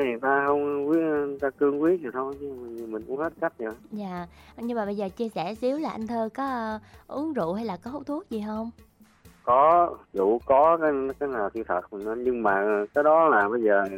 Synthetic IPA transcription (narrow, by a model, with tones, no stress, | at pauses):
i˨˩t̪aː˧hə˧wŋ͡mkwi˦˥ə˨˩t̪aː˧kɨ˧əŋkwi˦˥ət̚ɲɨ˨˩t̪ʰo˧ji˧m˨˩˨mï˨˩ŋ̟ʔʊ˨˦əŋhe˦˥t̚ka˦˥jk̚ɲə˧˩zaː˨ɲɨ˧ŋmaː˨˩ɓə˧jzəː˨˩t͡ɕi˧əsɛ˧˩zi˨˦əwlaː˨˩ʔa˧jŋ̟t̪ʰəː˧kɔ˨˦˧ʔɨ˨˦əŋzṵ˧˨ha˧jlaː˨˩kɔ˨˦ho˧˦w̚t̪ʰu˦˥ək̚zi˨˩ɦə˧wŋ͡m | kɔ˨˦zṵ˧˩˨kɔ˨˦kaː˨˦jn˨˦kaː˨˦jnaː˨˩wt̪ʰi˧t̪ʰə˨˩t̚mi˨˩nnɔ˨˦ɲɨ˧ŋmaː˨˩kaː˨˦jɗɔ˨˦laː˨˩ɓə˧jzəː˨˩